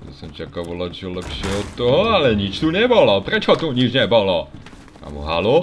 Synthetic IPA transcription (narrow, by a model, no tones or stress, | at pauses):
ja̰sɛmt͡ʃakavolat̪ʒɛlɛpʃɛot̪t̪ːoɦoalɛɲit͡ʃt̪unɛboloprɛt͡ʃot̪uɲit͡ʃnɛbolo | a̰mṵɦa̰lo